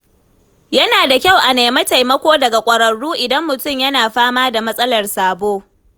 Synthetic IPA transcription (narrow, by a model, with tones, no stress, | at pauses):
jɐ˦naː˨da˨kʲa˦˨wʔa˨neː˨mɐ˦ta˨jmɐ˦kʷoː˦dɐ˨ɡa˨kʷʼɐ˨ɾɐ˨ɽːuː˦ʔɪ˨dɐ˦mːʊ˨tʊ˦˨mjɐ˦naː˨ɸaː˦maː˦da˨mɐ˦sʼɐ˦lɐ˨rsaː˨boː˦